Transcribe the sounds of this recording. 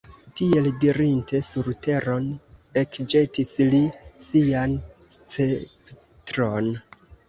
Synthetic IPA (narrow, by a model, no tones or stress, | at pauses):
tie̞ldiɾinte̞suɾte̞ɾone̞kd͡ʒe̞tislisianst͡sep | tɾo̞n